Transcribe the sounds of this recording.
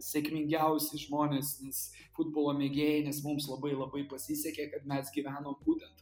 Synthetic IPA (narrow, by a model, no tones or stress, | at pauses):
sʲɛkmʲɪŋʲɡʲɛʊsʲɛɪʒmoːnʲeːsnʲɛs | fʊd̪̚boːlˠoːmʲeːɡʲeːjɛnʲɛsmʊmslˠɐbɐɪlˠɐbɐɪpɐsʲisʲɛkʲeːkɐt̪mʲɛsɡʲiʋʲæːnoːmbuːt̪ʲɛnt̪